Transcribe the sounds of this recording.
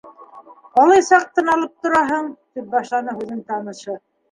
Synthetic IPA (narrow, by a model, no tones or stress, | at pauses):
ɑlˠɤjsɑq̚t̪ɤ̆nɑlˠɤp̚t̪ŏɾɑɦɤɴt̪ip̚bɑʃlˠɑnɤhʉðɘnt̪ɑnɤ̆ʃɤ